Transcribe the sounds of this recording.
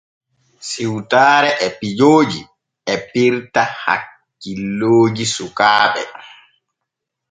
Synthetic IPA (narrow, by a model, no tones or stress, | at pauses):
siwtaːɾɛʔɛpid͡ʒoːd͡ʒḭ | ɛpiɾtaha̰kː | ilːoːd͡ʒisukaːɓɛ̰